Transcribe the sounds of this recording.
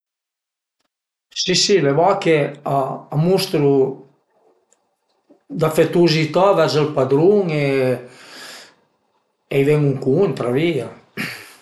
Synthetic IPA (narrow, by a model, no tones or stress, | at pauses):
sisileβɔkeaamust̪ɾu | d̪afet̪uzit̪avɛzəlpad̪ɾuŋe | ejvɛŋuŋkunt̪ɾavia